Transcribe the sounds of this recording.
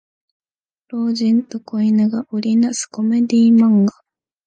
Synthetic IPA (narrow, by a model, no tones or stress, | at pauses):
ɾo̞ːʑĩnt̪okoinɯɡaʔoɾʲinasɨ̥ko̞me̞d̪ʲiːmãŋɡa